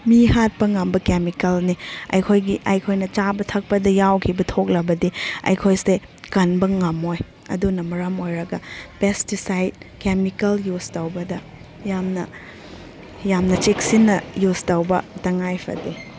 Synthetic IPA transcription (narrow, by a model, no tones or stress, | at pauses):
mihat̚pɐŋɐmbɐkemikɐlniɐ̰jkʰojɡiʔɐjkʰojnɐt͡ʃabɐtʰɐk̚pɐdɐjawkʰibɐtʰok̚lɐbɐdiɐ̰jkʰojse | kɐnbɐŋɐmoj | ɐ̰dunɐmɐɾɐmojɾɐɡɐpestisajd̚kemikɐljustɐwbɐdɐ | jamnɐ | jamnɐt͡ʃik̚sinːɐjustɐwbɐtɐŋajpʰɐ̰di